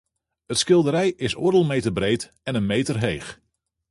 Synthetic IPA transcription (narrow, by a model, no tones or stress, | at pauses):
ətskɪlˠdəɾɛjɪsʊɹdəlˠmejtərbrejt | ɛnənmejtərɦejx